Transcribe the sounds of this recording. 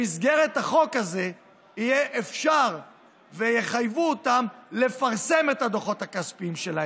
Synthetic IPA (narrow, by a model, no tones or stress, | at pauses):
isɡe̞ʁet̪haχo̞kaze | ijeʔefʃaʁ | vejeχajvuot̪amle̞faʁse̞me̞t̪had̪o̞χo̞t̪hakaspiimʃelahe